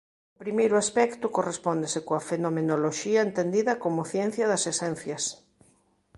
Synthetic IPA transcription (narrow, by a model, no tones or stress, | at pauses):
ʊpɾimejɾʊaspɛkt̪ʊkorespɔnd̪esɪkoɐfenomenoloʃiɐent̪end̪iðɐkomʊθjɛn̟θjɐðɐsesɛn̟θjɐs